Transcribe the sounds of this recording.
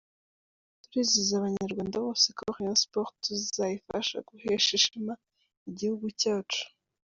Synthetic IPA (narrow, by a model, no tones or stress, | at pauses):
tuɾizizaβaɲaɾɡwaːndaβo̞ːsekoɾijaspoɾtuzizajifa̰ʃa̰ɡuheʃiʃima | iɟihuɡucaːt͡ʃu̥